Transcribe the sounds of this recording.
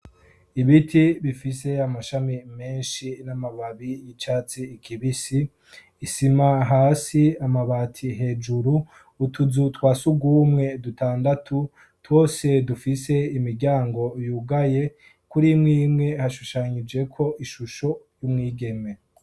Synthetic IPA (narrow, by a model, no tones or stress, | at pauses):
iβitʰiβifise̞amaʃamime̞ːnʃinamaβaβijit͡ʃaːt͡siːkʰiβisiː | simaɦaːsiamaβatʰiɦe̞ːd͡ʒuɾu | utʰuzutwaːsuɡuːmŋe̞dutaːndatʰu | two̞ːse̞dufise̞imiɾɟaːŋɡo̞juːɡaje̞ | kuɾimŋiːmŋe̞haʃuʃaɲid͡ʒe̞kʰo̞ʔiʃuʃo̞jumŋiːɡe̞me̞